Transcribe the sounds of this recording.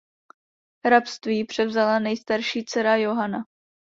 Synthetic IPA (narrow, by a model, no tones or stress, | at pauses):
ɾapst̪viːpr̥ɛvzalanɛjst̪aɾʃiːt͡sɛɾajo̞ɦana